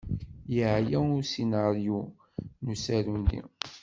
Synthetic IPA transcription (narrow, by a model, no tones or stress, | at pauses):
jəʕjæʊɾsinaɾiju | nusæɾundḭ